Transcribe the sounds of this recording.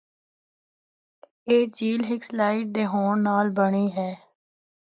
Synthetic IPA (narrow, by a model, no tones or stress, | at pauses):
eːd͡ʒiːlɦɪkslaːɪʈ̚d̪eːɦoːɳnaːlbəɽ̃iːɦɛː